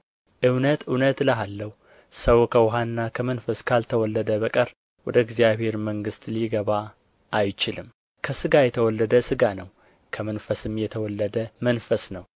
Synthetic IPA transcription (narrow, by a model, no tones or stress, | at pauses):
ʔɨwnət̪ɨwnət̪ləɦalːəw | səwkʰəwɦannːakʰəmənfəskʰalt̪ʰəwɔlːəd̪əbəkʼəɾ | wɔd̪əɪɡzijaβhe̞ɾməŋɡɨst̪liɡəβa | ʔːjt͡ʃɪlɨm | kʰəsɨɡajɛt̪ʰəwɔlːəd̪əsɨɡanəw | kʰəmənfəsɨmjɛt̪ʰəwɔlːəd̪əmənfəsnəw